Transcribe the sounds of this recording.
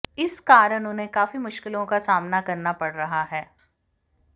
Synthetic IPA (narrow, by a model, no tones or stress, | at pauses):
ɪskaːɾəɽ̃ʊnɦẽkaːfimʊʃkɪlõkasaːmnakɐɾnapɐɽɾɐɦaɦɛː